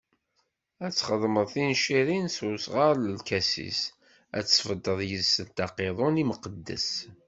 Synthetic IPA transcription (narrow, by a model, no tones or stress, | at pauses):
æt͡sːχəðˤməðˤθinʃiɾinsusʁəɾləlkæsḭs | æ̰t͡sːfəd̪ːəðˤjəlsənt̪ɑqeðˤoniməqəd̪ːə̰s